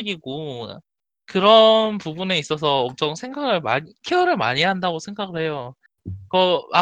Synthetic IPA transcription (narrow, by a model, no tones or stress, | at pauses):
ɡiɡo | kɯɾʌnpubune̞is͈ʌs̬ʰʌːm̚t͡ɕ͈ʰʌŋsʰe̞ŋɡaɡɯɭma̰ɲikʰeʌɾɯɭma̰ɲiɦandaɡosʰe̞ŋɡaɡɯɭhe̞jo | kʌa